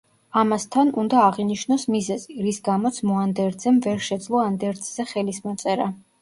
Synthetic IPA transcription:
amast̪ʰanund̪aːʁiniʃnɔsmizɛziɾisɡamɔt̪sʰmɔand̪ɛɾd̪zɛmvɛɾʃɛd̪zlˠɔand̪ɛɾd̪zzɛχɛlismɔt̪sʼɛɾa

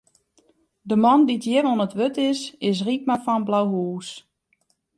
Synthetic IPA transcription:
dəmɔnditjɪvɔnətʋøtɪsɪs̬rik̚mafɔnblawɦuːs

